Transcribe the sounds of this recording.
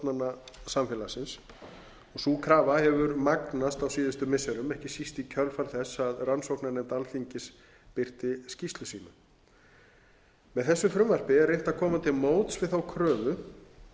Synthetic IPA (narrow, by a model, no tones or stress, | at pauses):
t̪nanːasamfɛːlasɪns | ɔɣsuːkʰɾaːvahɛvʏɾmaknast̪awsiːðʏst̪ʏmɪsːɛɾʏmɛhcɪsist̪icʰœɾlfaɾθɛsːaðransowknanɛmt̪alθiɲcɪs | pɪr̥t̪ɪscist̪lʏsiːna | mɛðθɛsːʏfɾʏmvar̥pɪɛɾrːejht̪aðkʰɔːmant̪ʰɪlmoːwt̪svɪðθawkʰɾœːvʏ